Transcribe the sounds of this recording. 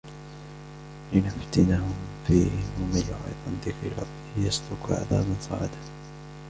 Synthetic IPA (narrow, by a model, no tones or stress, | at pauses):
lɪnʊft̪ɪnahʊmfiːhɪʊmajʊħḭt̪ˤʔanðɪkɾ̰ɾˤɑ̰bːɪhjaslʊkʕa̰ðaːbansˤɑ̰ːʕɪd̪a